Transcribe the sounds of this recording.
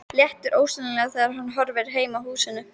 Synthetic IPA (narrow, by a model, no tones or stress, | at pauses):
ljɛht̪ʏɾʔoːwsʏnɪlɛɣaθɛːðaɾhanːɦɔɾvɛɾ̥ɦeːjmaɦuːsɪnːʏ